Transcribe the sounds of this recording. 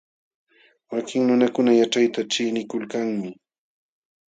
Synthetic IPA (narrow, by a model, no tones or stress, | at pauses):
wakɪŋnʊnakʊnajaʈ͡ʂajt̪at͡ʃɪjnɪkʊlkaŋmɪ